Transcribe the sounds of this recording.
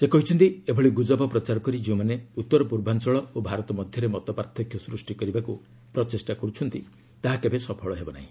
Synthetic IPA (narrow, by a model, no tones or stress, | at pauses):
sekɔɦit͡ʃʰɔnt̪iebʱɔɭiɡud͡ʒɔbɔpɾɔt͡ʃaɾɔkɔɾid͡ʒew̃maneut̪ːɔɾɔpuɾbʱansɔɭɔobʱaɾɔt̪ɔmɔd̪ʱjɔɾemɔt̪ɔpaɾt̪ʰɔkʰjɔsɾusʈikɔɾibaku | pɾɔt͡ʃesʈakɔɾut͡ʃʰɔnt̪i | t̪aɦakebesɔpʰɔɭɔɦebɔna̰ɦḭ̃